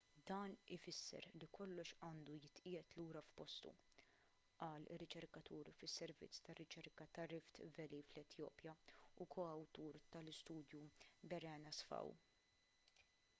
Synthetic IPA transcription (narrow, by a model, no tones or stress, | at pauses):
d̪ɐːnɪfɪsːɛ̰ɾlikɔlːɔʃɐːnd̪ujɪt̪ʔɪjɛt̪luːɾɐfpɔst̪ṵ | ʔɐːlɪ̰rːɪt͡ʃɛɾkɐt̪uːɾfɪsːɛɾvɪ̰t͡sːt̪ɐrːɪt͡ʃɛɾkɐt̪ɐɾɪft̪vɛliːflɛt̪jɔ̰ːpjɐukʰɔɐwt̪uːɾt̪ɐlɪst̪uːd̪jubɛɾɛːnɐsfɐ̰w